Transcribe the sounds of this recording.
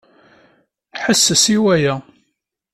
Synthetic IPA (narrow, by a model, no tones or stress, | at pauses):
ħəsːəsiwæjæ